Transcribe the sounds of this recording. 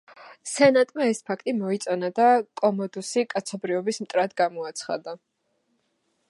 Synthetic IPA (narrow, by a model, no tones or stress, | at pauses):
sɛnat̪ʼmaɛspʰakʰt̪ʼimɔit̪sʼɔnad̪akʼɔmɔd̪usikʼat̪sʰɔbɾivɔbismt̪ʼɾad̪ɡamɔat̪sʰχa̰d̪a